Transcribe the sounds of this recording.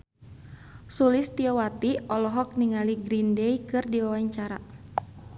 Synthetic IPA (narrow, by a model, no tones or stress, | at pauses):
sulist̪iɔwat̪iɔlɔɦɔk̚niŋaliɡɾindɛikɨrdiwawaɲt͡ʃaɾa̰